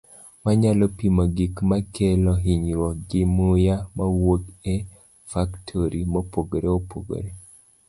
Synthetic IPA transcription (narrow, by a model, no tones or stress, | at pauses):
maɲalɔpimɔɡikmakelɔɦiɲɾwɔɡɪmʊjamawokɛ | faktʰoɾimopoɡoɾeopo̰ɡo̰ɾe